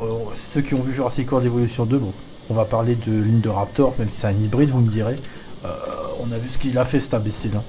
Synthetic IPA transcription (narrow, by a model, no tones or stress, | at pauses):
søkʲiɔ̃vyʒɑ̃ʁasekuʁd̪levɔlysjɔ̃d̪øbɔ̃ | ɔ̃vapaʁled̪əliɲd̪əʁap̚t̪ɔʁmɛmsi̥sɛt̪ɛ̃nibʁid̪vuməd̪iʁe | ø̰ɔ̃navysə̥kʲilafɛsɛ̥t̪ãbesilã